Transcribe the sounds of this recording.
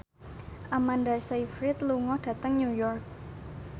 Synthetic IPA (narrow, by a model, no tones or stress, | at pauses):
ʔamandasaifɾɪt̪̚luŋɔhd̥a̤t̪əŋɲujɔrk̚